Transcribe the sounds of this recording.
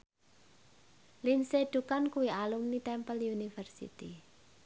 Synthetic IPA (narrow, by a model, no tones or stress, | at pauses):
linseɖ̪̥ukankuwialumnit̪ɛmpəljunifərsḭt̪i